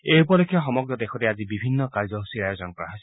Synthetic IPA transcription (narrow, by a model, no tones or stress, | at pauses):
eupɔlekʰːjɔxɔmɔɡɾɔd̪ekʰɔɾead͡ʒibibʱinːɔkaɾd͡ʒɔɦusiajod͡ʒɔnɔkɔɾaɦɔs